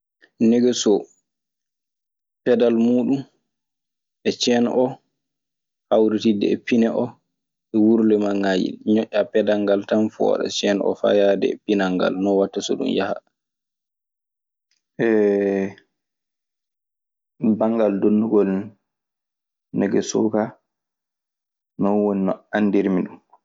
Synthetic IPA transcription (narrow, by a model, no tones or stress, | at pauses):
nɛɡɛsɔ | pɛdalmuːɗum | ʔɛt͡ʃɛnʔɔ | hawɾitidɛ̰ɛpinɛʔɔ | ɛwuɾlɛmaŋːajḭɲɔʔːapɛdaŋɡaltamfɔ̰ɗɔ̰t͡ʃɛnʔɔ̰fa̰jadɛ̰ɛpinaŋɡa̰lnɔwatːasɔ̰ɗṵmjaha̰ | ʔɛ | baŋɡaldonːduɡɔl | nɛɡɛsɔka | nɔnwoninɔanːdiɾmiɗum